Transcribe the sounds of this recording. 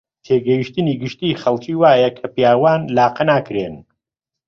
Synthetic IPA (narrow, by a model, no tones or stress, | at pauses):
t̪ʰeːɡɐjiʃt̪ɨniːɡɨʃt̪iːχɐlˠt͡ʃiːwaːjɐkʰɐpjaːwaːnlaːqɐnaːkɾeːn